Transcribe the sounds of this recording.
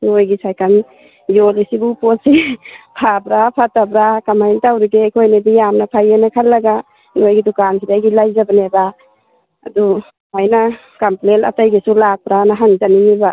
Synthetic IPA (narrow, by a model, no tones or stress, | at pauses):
ŋojɡisajkʰan | zolisibupotsipʰabɾapʰatabɾakamajntawɾiɡekʰojnebijamnapʰajenakʰalːaɡa | nojɡidukansʰidajɡilajzabaneba | a̰du | majna | kamplena̰tajɡisulak̚pɾanaɦaŋzaniniba